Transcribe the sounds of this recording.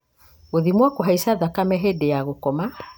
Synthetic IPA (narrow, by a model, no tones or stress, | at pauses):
ɣoðimwakoɦaisaðakamɛɦedejaɣokɔma